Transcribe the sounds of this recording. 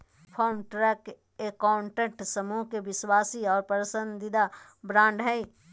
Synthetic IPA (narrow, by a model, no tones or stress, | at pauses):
pʰɔːɾmʈɾɛːk | ekɔːɳʈə̃k̚ʈsəmuɦkeʋɪswaːsiɔːɾpəɾsə̃nd̪ɪd̪a | bɾãːɳɖɦəi